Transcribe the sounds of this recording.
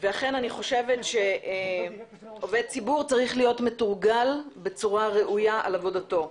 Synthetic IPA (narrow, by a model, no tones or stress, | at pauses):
veaχe̞naniχo̞ʃe̞vetʃe̞ | o̞ved̚t͡sibuʁt͡saʁiχlijo̞tmetuʁɡalbe̞t͡suʁaʁeʔujaa̰lavo̞dato̞